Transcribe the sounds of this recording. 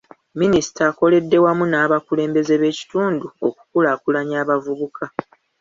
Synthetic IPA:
minisi̥taːko̞le̞dːe̞wamunaːβakule̞ːmbe̞ze̞βe̞ːci̥tuːnduo̞ku̥kulaːkulaɲaːβavuβukʰa

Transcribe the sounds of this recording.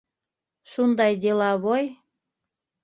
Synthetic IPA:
ʃund̪ɑjd̪elɑβoj

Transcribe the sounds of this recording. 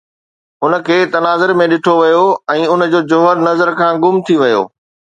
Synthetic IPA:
ʊnə̆kʰeːt̪ɐnaːzəɾmẽɗɪʈʰoʋɐjoɛ̃ːʊnd͡ʑoːd͡ʑʊɦəɾnɐzəɾkʰãːɡʊmt̪ʰiʋɐjo̰ː

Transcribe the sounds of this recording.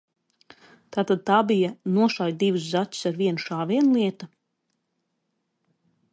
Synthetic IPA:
t̪aːt̪ad̪̚t̪aːbijanuɔʃajd̪ivus̬zatʲu̥saɾviɛnuʃaːviɛnlˠiɛt̪a

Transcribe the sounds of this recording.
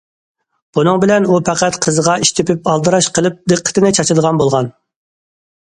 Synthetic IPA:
b̥unɨŋbɪlɛnupʰæqæt̪qʰəzəʁɑiʃt̪ʰɪpɪpɑlˠd̪ɨɾɑʃqʰəlˠɨp̚d̪ɨqʰːə̥t̪ʰɪnɪt͡ʃʰɑt͡ʃʰld̪əʁɑnbolˠʁɑn

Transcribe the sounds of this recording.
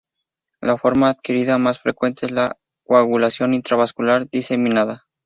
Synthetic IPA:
lafo̞ɾmaːðkiɾiðamasfɾe̞kwe̞nt̪eezla | kwaɣulasjo̞nint̪ɾaβaskulaɾðise̞mĩnaða

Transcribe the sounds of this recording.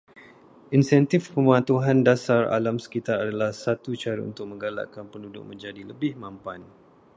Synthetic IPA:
insɛnt̪ɪfpəmãt̪uɦandasara̰lamsə̥kit̪aɾadalahsat̪ut͡ʃaɾa̰ṵnt̪ʊk̚mə̃ŋɡala̰ʔkanpəndudʊ̰ʔ̚mə̃ɲd͡ʒadiləbɪhmãmpan

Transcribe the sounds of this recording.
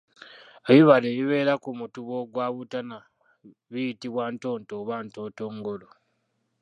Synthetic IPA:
eβiβaleːβiβe̞ːɾakumutuβo̞ɡwaːβutana | βijitiβwaːnto̞ːntoβaːntoːto̞ːŋɡolo

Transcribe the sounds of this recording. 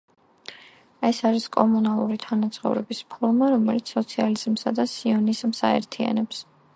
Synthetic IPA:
ɛsaɾiskʼɔmunalˠuɾit̪ʰanat̪sʼχɔ̰vɾɛbispʰɔɾmaɾɔmɛlit̪sʰɔt̪sʰializ̥msad̪asiɔnizmsa̰ɛ̰ɾt̪ʰia̰nɛps

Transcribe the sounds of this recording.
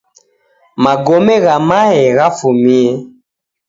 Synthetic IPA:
maɡɔmɛɣamaɛɣafumiɛ

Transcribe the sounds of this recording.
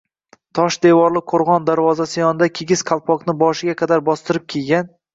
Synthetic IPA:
t̪ʰɒʃd̪evɒɾlˠɪqʰoɾʁɒnd̪aɾvɒzasɪjɒnɪd̪akʲʰeɡʲɪzqʰɑlˠpʰɒqnɪbɒʃɪɡʲaqʰɑd̪aɾbɒst̪ɪɾɪp̚kʲʰelɡʲan

